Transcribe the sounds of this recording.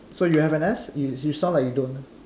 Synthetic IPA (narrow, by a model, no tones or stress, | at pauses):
sojuhɛvɛ̃nɛsjujusɔ̃lakjudõn